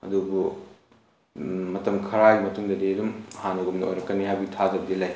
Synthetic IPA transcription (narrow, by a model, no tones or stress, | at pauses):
ɐ̰dubu | mɐtɐmkʰɐɾajimɐtuŋdɐdidumhanɐɡumnɐo̰jɾɐkːɐniɦajbiɡitʰazɐbɐdilaj